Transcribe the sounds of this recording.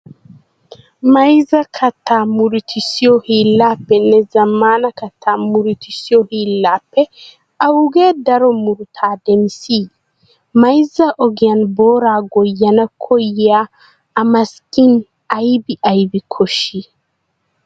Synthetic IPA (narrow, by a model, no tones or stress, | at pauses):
mɐjzɐkʰɐt̪ːaːmuɾit̪ʰisiɔhiːlːapːɛnːɛzɐmːaːnɐkɐt̪ʰːamuɾit̪ʰisiɔhilːapːɛ | awɡɛdɐɾɔmuɾut̪ʰaːdɛmsi | majzaʔɔɡijɐnbɔːɾaːɡɔjːɐnɐkʰɔjːaː | mɐskin | ajbiʔajbikʰɔʃi